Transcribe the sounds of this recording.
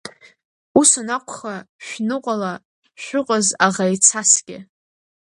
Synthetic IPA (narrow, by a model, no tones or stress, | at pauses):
usanakʷʰχaʃᶣnɨqʷʼala | ʃʷᶣʊqʼazaʁajt͡sʰasɡ̥ʲɪ